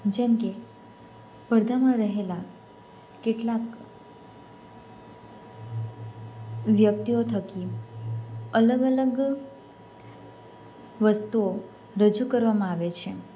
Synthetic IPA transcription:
d͡ʒɛmke | spəɾd̪ʱamãɾəɦela | keʈlak | ʋjək̚t̪iot̪ʰəki | ələɡələɡ | ʋəst̪uo | ɾəd͡ʒukəɾʋamãaʋet͡ʃʰe

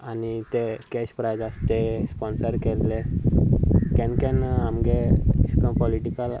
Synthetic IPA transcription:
anit̪ekɛɕpɾajd͡zast̪espɔnsəɾkelːe | kɛ̃nkɛnamɡeiskə̃mpɔliʈikəl

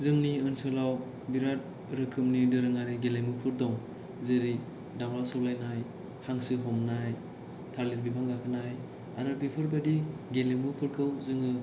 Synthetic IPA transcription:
zɯŋniɯnsɯlaw | biɾat̚ | ɾɯkʰɯmnidɯɾɯŋaɾiɡelejmɯpʰɯɾdɔŋ | zɯɾi | dawlasɯwlajnaj | haŋsɯɦɔmnaj | tʰaɾliɾbipʰaŋɡakʰɯnaj | aɾɯɾbipʰɯɾbadiɡelimɯpʰɯɾkʰɯwzɯŋɯ

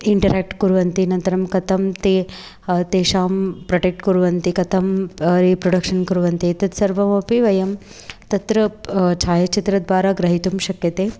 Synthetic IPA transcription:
iɳʈɐɾeːk̚ʈkuɾuʋɐnt̪inɐnt̪ɐɾɐmkɐt̪ʰɐmt̪eː | t̪eːʃaːmpɾɐʈek̚ʈkuɾuʋɐnt̪ikɐt̪ʰɐmɾipɾoɽɐkʂɐnkuɾuʋɐnt̪iɐt̪ɐt̪sɐɾʋɐmoːpiʋɐjɐm | t̪ɐt̪ɾɐt͡ʃʰaːjɐt͡ʃit̪ɾɐd̪ʋaːɾaɡɾɐɦit̪umʃɐkjɐt̪eː

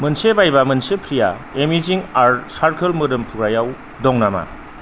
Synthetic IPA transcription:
mɯnsebajbamɯnsepʰɾija̰emiziŋaɾsaɾkʰɯlmɯɾɯmpʰuɡɾajaw | dɔŋnama̰

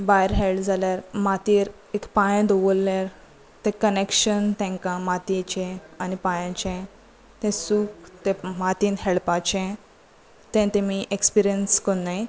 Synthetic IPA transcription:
bajɾɦeld͡zaljaɾmat̪iːɾ | ekpãj̃d̪ɔʋəlːaɾ | t̪ɛ̃kənekɕənt̪ɛ̃ŋkãmat̪et͡ɕɛ̃anipãjãt͡ɕɛ̃ | t̪ɛ̃suːkt̪ɛ̃mat̪iːnɦɛɭpat͡ɕɛ̃ | t̪ɛ̃t̪ẽmiʔekspiɾijənskonːaj

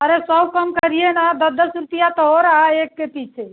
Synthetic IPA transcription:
əɾesəbkəmkəɾijenad̪əd̪ʱːəsuɾt̪ijat̪əɦoɾaɦaekːepit͡ʃʰe

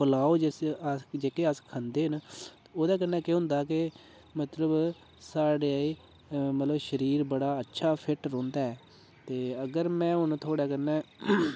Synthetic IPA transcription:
pəlaːoːd͡ʒesd͡ʒeːkeːəskʰənd̪eːɦən | oːd̪aːk̬ənːɛ̃ːkeɦʊ̃ːnd̪aːk̬ɪ | mət̪ləb | saːɽeːaːiː | mət̪ləbʃəɾiːɾbəɽaːətːʃʰaːpʰɪʈɾõːnd̪aːɛː | t̪eːəɡəɾmɛ̃ːɦʊnt̪ʰoːɽaːkənːɛː

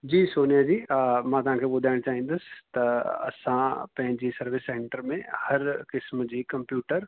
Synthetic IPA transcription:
d͡ʑiːsoːnijad͡ʑiːmãt̪ɐʋɦãkʰebʊd̪ʱaːɪɽ̃t͡ʃaːɦĩːnd̪ʊst̪ɐɐ̰sãpɐ̃ɦɪ̃ɲd͡ʑisɐɾʋɪsːẽːɳʈəɾmẽhɐɾkɪsmd͡ʑiːkɐ̃mpjuːʈəɾ

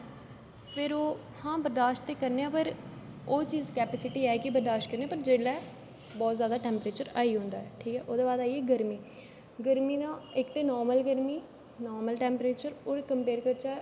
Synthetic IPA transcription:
pʰɪɾoː | hãːbəɾd̪aːʃʈt̪eːkəɾneːãːpəɾoːt͡ʃiːzkɛːpɛːsɪʈiːɛːkɪbəɾd̪aːʃʈ̚kəɾnẽːaːpəɾd͡ʒeːɽɛː | bɔːt̪zjaːd̪aːʈɛːmpɾeːt͡ʃəɾaːiːɦõːnd̪aːɛːʈʰiːkɛːʔoːd̪eːbaːd̪aːiɛːɡəɾmiː | ɡəɾmiːnãːɪkt̪eːnɔːɾməlɡəɾmiː | nɔːɾməlʈɛːmpɾeːt͡ʃəɾoːɾkəmpeːɾkəɾt͡ʃaː

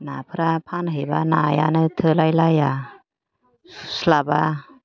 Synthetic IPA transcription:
napʰɯɾapʰanɦɯjbanaja̰nɯtʰɯlajlaja | slaba

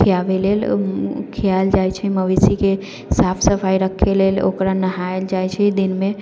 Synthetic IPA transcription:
iabelelkʰijald͡ʒajt͡ʃʰɛməʋisike | sapʰsəpʰajɾəkʰːelelo̰kɾanəɦaeld͡ʒajt͡ʃʰɛd̪inme

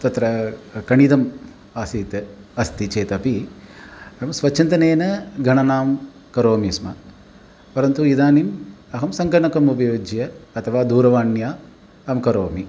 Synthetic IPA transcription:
t̪ɐt̪ɾɐkɐɳid̪ɐm | aːsiːt̪eɐst̪it͡ʃeːt̪ɐpi | ɐmsʋɐt͡ʃːt͡ʃʰint̪ɐneːnɐɡʱɐɳɐnaːm | kɐɾoːmismɐ̰ | pɐɾɐnt̪uid̪aːnimɐɦɐmsɐŋkɐɳɐkɐmup̬ɐjoːd͡ʒjɐɐt̪ʰɐʋaːd̪uːɾɐʋaːɳjaː | ɐmkɐɾoːmi

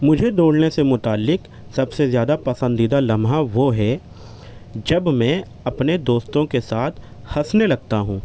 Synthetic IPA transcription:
mʊd͡ʒʱed̪oːɽnesemʊt̪aːlːɪk | sɐbsezjaːd̪apɐsə̃nd̪id̪alɐmɦaʋoɦɛ | d͡ʒɐbmɛ̃ː | ɐpned̪oːst̪õkesaːt̪ʰ | hɐsnelɐɡ̚t̪aɦũː

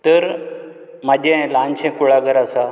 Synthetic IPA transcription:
t̪əɾ | mad͡ʑʱẽlant͡ɕʰɛ̃kuɭaɡəɾasa

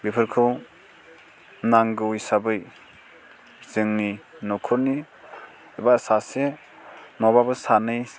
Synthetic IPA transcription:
bipʰɯɾkʰɯw | naŋɡɯujsabɯj | zɯŋninɔkʰɔniː | basase | nɔbabɯsanɯj

